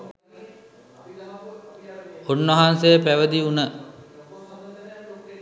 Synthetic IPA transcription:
onːɐɦansejəpæʋəd̪iunə

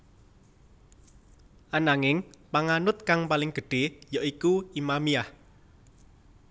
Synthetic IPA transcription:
ʔanaŋɪŋpaŋanʊt̪̚kaŋpalɪŋɡ̥ə̤ɖ̥e̤jɔʔikuimamiah

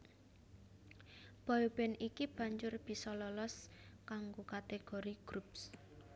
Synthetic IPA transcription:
b̥aub̥ɛnikib̥ä̤ɲd͡ʒʊrb̥i̤sɔlɔlɔskaŋɡokat̪eɡ̥o̤ɾiɡ̥ɾups

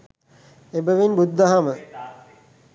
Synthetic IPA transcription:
ebəʋinbud̪ːɐɦamə

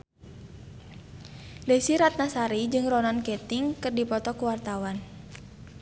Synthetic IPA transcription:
lesiɾat̪̚nasaɾid͡ʒɨŋrɔnankɛt̪iŋkɨrdipɔt̪ɔkuwart̪awan

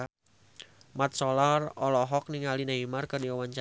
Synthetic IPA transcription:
mat̪̚sɔlarɔlɔɦɔk̚niŋalinaimarkɨrdiawaɲt͡ʃa

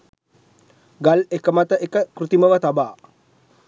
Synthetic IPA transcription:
ɡalekəmat̪əʔekəkɾut̪iməʋət̪abaː

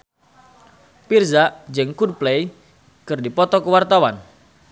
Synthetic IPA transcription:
pirzaʔd͡ʒɨŋkud̚plej | kɨrdipɔt̪ɔkəwart̪awan

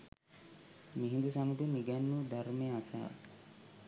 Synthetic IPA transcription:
miɦind̪usamuʈuniɡanːud̪ʱaɾmeːasaa̰

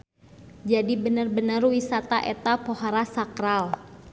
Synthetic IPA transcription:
d͡ʒadibənərbənərwisat̪aʔɛt̪apohaɾasakɾal

